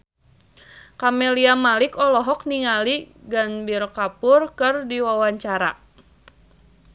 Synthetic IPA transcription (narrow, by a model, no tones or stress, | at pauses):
kamɛliamalikɔlɔɦɔk̚niŋaliɡanbirkapʊrkɨrdiwawaɲt͡ʃaɾa̰